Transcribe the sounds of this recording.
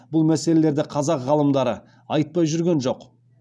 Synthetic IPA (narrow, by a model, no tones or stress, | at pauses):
bʊlˠmæse̞le̞le̞ɾd̪ɪqʰɑzɑqʁɑlˠəmd̪ɑɾə | ɑjt̪̚pɑjʒʏɾɡʲe̞nʒo̞q